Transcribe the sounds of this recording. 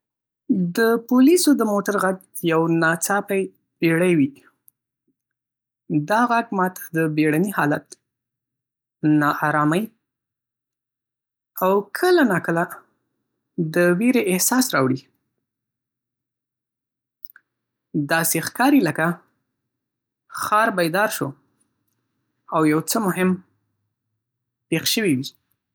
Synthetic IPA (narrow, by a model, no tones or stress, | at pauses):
d̪əpʊlisod̪əmoʈaɾɣaɡ̚ | jawnɑt͡sɑpaj | b̥eɽajwi | d̪ɑɣaɡmɑt̪ʰḁd̪əbeɽanihɑlat̪ | nɑʔɑɾɑmaj | awkʰəlanɑkəla | d̪əweɾeʔɪhsɑsɾɑwɽi | d̪ɑsexkɑɾiləka | xɑɾbajd̪ɑɾʃo | awjawt͡səmʊɦɪm | pexʃəwiwi